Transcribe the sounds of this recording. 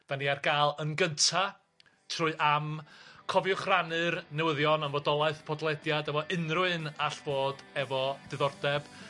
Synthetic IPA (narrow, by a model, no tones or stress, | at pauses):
d̥aniːarɡaːlˠənɡəntʰa | tʰrʊɨʔamkʰɔvjʊχranɨrnɛwɪðjɔnənvɔdɔlˠaɨθpʰɔdlˠɛdjadəvɔʔɨnrʊɨnaɬv̥oːdɛvɔd̥ɨðɔrdɛb̥